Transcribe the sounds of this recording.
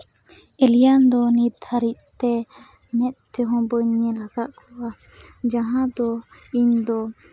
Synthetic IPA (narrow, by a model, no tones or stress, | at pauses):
ɛlijand̪ɔnid̪ʰaɾiʔ̪t̪ɛ | mɛt̪̚t̪ːɛɦɔ̃bəɲːɛlaɡaʔkʰuwa | d͡ʒãɦãd̪ɔiɲd̪ɔ